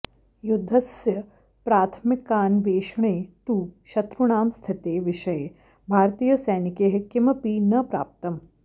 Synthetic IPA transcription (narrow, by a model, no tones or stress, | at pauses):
jʊd̪ʱːɐsjɐ | pɾaːt̪ʰmɪkːaːnʋeːʃɳ̃eːt̪uːʃɐt̪ɾuɳ̃aːmst̪ʰɪt̪eːʋɪʃɐje | bʱaːɾt̪iːjɐsɐjnikeːɦkɪmɐpiːnɐpɾa̰ːp̚t̪ɐm